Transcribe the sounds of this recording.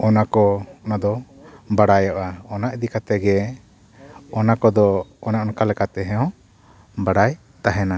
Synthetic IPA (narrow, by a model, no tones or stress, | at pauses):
ɔnakɔɔnad̪ɔ | baɽajɔʔaɔnaʔid̪ikat̪ɛɡɛ | ɔnakɔd̪ɔɔnaʔɔnkalɛkat̪ɛɦɛ̃ɔ̃ | baɽaj | t̪aɦɛna